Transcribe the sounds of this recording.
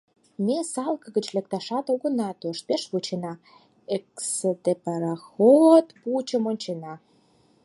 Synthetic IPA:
mesɑlkə̆ɣət͡ɕlek̚t̪ɑʃɑt̪oɣə̆nɑt̪oʃpeʃβut͡ɕenɑ | eksed̪epɑɾɑxot̪put͡ɕə̆monʲt͡ɕenɑ

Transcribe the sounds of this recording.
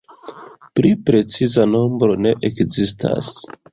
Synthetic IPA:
pɾipɾe̞t͡sizano̞mbɾo̞ne̞ʔekzis̬tʰa̰s

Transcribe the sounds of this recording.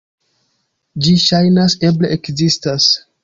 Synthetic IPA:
d͡ʒiʃajnase̞bleʔekzistas

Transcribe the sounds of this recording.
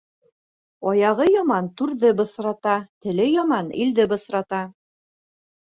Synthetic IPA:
ɒjɑʁɤjɒmɑnt̪ʉɾðɘbɤ̆sɾɑt̪ɑt̪ɘ̆lɘjɒmɑnḭld̪ɘbɤ̆sɾɑt̪ɑ

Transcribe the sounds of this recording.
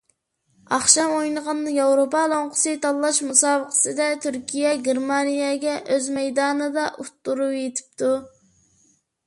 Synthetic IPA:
ɑχʃɑmojnəʁɑnd̪ɨjɑwɾopɑlˠoɴqʰʊ̥sɨt̪ʰɑlˠːɑʃmusɑːbəqʰə̥sɨd̪ɛt̪ʰyɾkʲʰijɛɡʲeɾmɑnijɛɡʲɛʔøzmɛjd̪ɑːnɨd̪ɑʔut̪ːuɾujet̪ʰɪ̥p̚t̪ʰu

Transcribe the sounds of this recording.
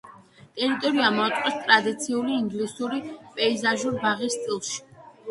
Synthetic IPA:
t̪ʼɛɾit̪ʼɔɾiamɔat̪ʼqʼɛst̪ʼɾad̪it̪sʰiuliːŋɡlisuɾipʼɛizaʒuɾbaʁist̪sʼilˠʃi̥

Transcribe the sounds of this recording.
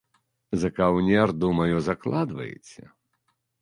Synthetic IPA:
zɐkawnʲɛrd̪umɐjuzaklˠad̪vɐ̰jḛt͡sʲɛ̰

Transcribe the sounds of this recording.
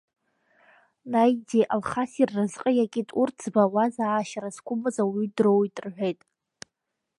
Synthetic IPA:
najdiʔalχasirːɨzqʼəjakʲʼitʼurt͡sʰbawazaːʃaɾazkʷʰʊmɨzawidrowitʼrħʷejtʼ

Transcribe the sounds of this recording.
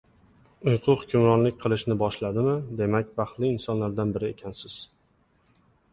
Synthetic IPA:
ʊjqʰʊχʊkʰʲʊmɾɒnlɪkʲqʰɨlˠɪʃnɪbɒʃlad̪ɪmɪd̪e̞makʲvɑχt̪lɪːnsɒnlaɾd̪anbɪɾɪe̞kʲʰansɪz̥

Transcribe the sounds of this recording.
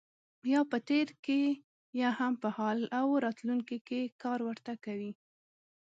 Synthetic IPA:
jɑpət̪eɾke | jɑhampəhɑlawɾɑt̪luŋkikekɑɾwəɾt̪akawi

